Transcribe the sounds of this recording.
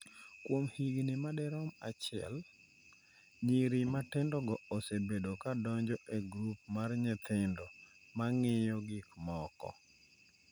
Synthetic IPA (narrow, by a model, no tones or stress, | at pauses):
kwomhiɡnɪmadɛɾɔma̰t͡ʃɪɛ̰l | ɲiɾimatɪndɔɡɔosebedokadɔɲd͡ʒɔʔeɡɾupmarɲɛt̪ʰɪndomaŋɪjɔɡɪkmɔkɔ̰